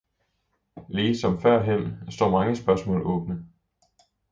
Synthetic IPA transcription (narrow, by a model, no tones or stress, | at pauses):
liːsɒ̽mfɶɐ̰ɦem̰sd̥ɒ̰ːmɑ̈ŋəsb̥ɶɐsmɔ̰̽ːlɔ̽ːb̥nə